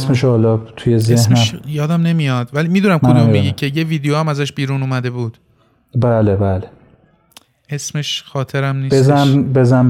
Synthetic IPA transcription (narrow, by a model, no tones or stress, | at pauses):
smeʃɒlɒːt̪ʰujezehsneæmʃjɒːd̪æmne̞mijɒːd̪vælimiːd̪unæmkʰodumbeɡicʲʰe̞jeviːd̪ejoæmæzæʃbiːɾuːnuːmæd̪e̞buːd̪̥ | bæːlebæːle | ʔe̞sme̞ʃxɒːt̪ʰe̞ɾæmniːbezæbezæm